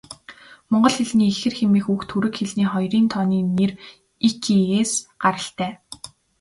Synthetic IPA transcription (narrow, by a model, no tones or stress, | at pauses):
mɔɴɢɞ̆ɮxeɮniːxɘ̆rxemiːxuxt̪ʰːuɾɘ̆kxeɮniːχɔjriːnt̪ʰɔniːner | ikʰieːsɢ̥aɾə̆ɬt̪æː